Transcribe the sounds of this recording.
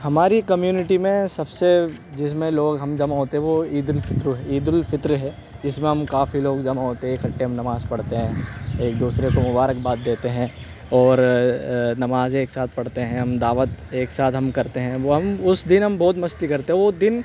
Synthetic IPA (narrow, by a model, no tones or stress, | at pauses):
ɦɐmaːɾikɐmjuːnɪʈimẽsɐbsed͡ʒɪsmẽloːɡɦɐmd͡ʒɐmaɦoːt̪eɦɛ̃ʋoiːd̪əlfɪt̪ɾɦɛiːd̪əlfɪt̪ɾɦɛː | ɪsmẽɦɐmkaːfiloːɡd͡ʒɐmaɦoːt̪eɦɛːkʰɐʈːeɦɐmnɐmaːzpɐɽt̪eɦɛ̃eːk̚d̪uːsɾekomʊbaːɾək̚baːt̪̚d̪eːt̪eɦɛ̃ | ɔːɾ | nɐmaːzeːksaːt̪̚ʰpɐɽt̪eɦɛ̃ɦɐmd̪aːʋət̪eːksaːt̪ɦɐmkɐɾt̪eɦɛ̃ʋoɦɐmʊsd̪ɪnɦɐmbɔːt̪mɐst̪ikɐɾt̪ẽɦɛ̃ʋod̪ɪn